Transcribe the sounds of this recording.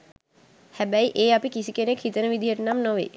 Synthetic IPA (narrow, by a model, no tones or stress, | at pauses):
hæbæiʔeːapikisikenekhit̪ənəʋid̪ʱijəʈənamnoʋḛː